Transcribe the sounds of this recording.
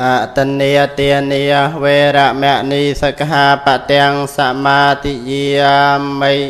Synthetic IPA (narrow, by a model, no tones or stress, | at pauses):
ʔaʔt̪ənːiət̪iənihweːɾaʔmɛəʔnisəkɦaːpaʔt̪ɛəŋsaʔmaːt̪ijiəməj